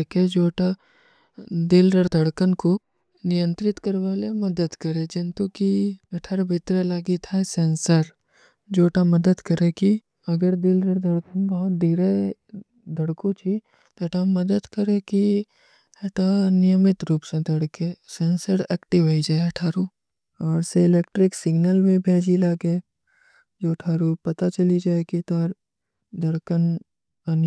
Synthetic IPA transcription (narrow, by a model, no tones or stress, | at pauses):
eked͡ʒoːʈa | d̪ɪlɾəɽd̪ʱɐɽkənko | nɪjə̃nt̪ɾɪt̪kɐɾʋaːlemɐd̪əd̪kɐɾed͡ʒɪ̃nt̪ukiɐʈʰaɾbʱɪt̪ɾelaːɡit̪ʰasẽːnsəɾ | d͡ʒoːʈamɐd̪əd̪kɐɾeki | ɐɡəɾd̪ilɾəɽd̪ʱɐɽkənbɐɦʊt̪̚d̪iːɾe | d̪ʱɐɽkõt͡ʃʰi | t̪oʈamɐd̪əd̪kɐɾeki | ɦɛt̪anɪjəmɪt̪ɾuːpsẽd̪ɐɽkesẽːnsəɾɛːkʈɪʋɦoid͡ʒaːʈʰaːɾu | ɔːɾseɪleːkʈɾɪksɪɡnəlmẽbʱeːd͡ʒilaːɡe | d͡ʒoːʈʰaːɾupɐt̪at͡ʃɐlid͡ʒaːekit̪ɔːɾ | d̪ɐɽkən | ɐn